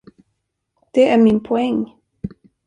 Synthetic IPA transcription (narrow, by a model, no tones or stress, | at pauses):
d̪̥ɛæɾmɪnpʰɔɛŋː